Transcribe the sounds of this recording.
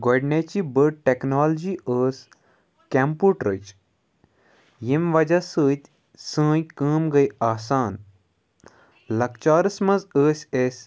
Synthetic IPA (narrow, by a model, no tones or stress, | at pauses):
ɡɔɖnʲet͡ʃibəɖ̚ʈeknoːld͡ʑiəːsʲ | kʲɛmpuːʈɾət͡ʃ | jimʋɐd͡ʒɐsəːt̪ʲ | sə̃ːjkəːmɡɐjaːsaːn | lɐk̚t͡ʃaːɾɨsmɐzəːsʲesʲ